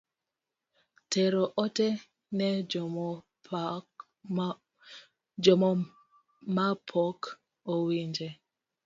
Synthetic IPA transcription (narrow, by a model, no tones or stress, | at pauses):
tɛɾɔʔɔtɛ | nɛd͡ʒɔm | d͡ʒɔmɔ | mapʰɔk | ɔwind͡ʒɛ